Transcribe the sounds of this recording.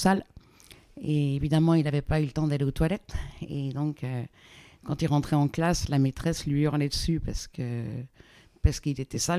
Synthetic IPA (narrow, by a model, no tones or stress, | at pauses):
sal | eevid̪amɑ̃ilavɛpaylət̪ɑ̃d̪aleot̪walɛt̪ed̪ɔ̃kø | kɑ̃t̪ilʁɑ̃t̪χɛɑ̃klaslamet̪χɛslɥiɔʁnɛd̪əsypaʁsə̥kə | paʁsə̥kilet̪ɛsal